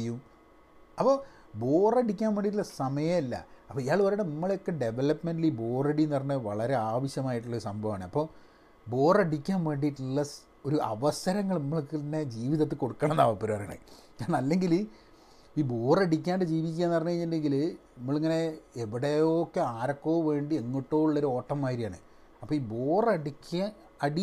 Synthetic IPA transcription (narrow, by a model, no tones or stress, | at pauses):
jum | ɐpːoː | bo̞ːreɽikʲːaːnʋeɳɖiʈ̬ːulːɐsɐmɐjɐilːɐ̰ɐpːoijaːɭʋɐɾɐɽenimːɐɭjo̞kːe̞ɖe̞ʋelɐpːmenɖilibo̞ːreɽijnɐrɐɲːɨʋɐɭɐɾe̞aːʋɐɕjɐmaːjiʈːuɭːo̞ɾusɐmbʱɐʋaːɳɨɐpːoː | bo̞ːreɽikʲːaːnʋeɳɖiʈːuɭːɐ | o̞ɾuʔɐ̰ʋɐsɐɾɐŋːɐɭnɐmːɐɭkːt̪ɐnːe̞d͡ʑiːʋiðɐt̪ːɨko̞ɽukːɐːɳɐnːaːʋɐpːoɾuʋɐrɐja̰ɳɨ̰ | kaːɳɐɐlːe̞ŋɡil | iːbo̞ːrɐɽik̬ʲːaːnɖɨd͡ʑiːʋikʲːaːnɐrɐnːɲːɐeɲːɐndeŋɡilnnɐmːɐɭiŋːɐne̞eʋiɽejokːeaːɾɐkːo̞ːʋe̞ːɳɖieŋːiʈːoːuɭːɐoɾuo̞ːʈːɐmːaːjɾijaːɳɨ̰ | ɐpːoːiːbo̞ːrɐɽikʲːa | ɐɽi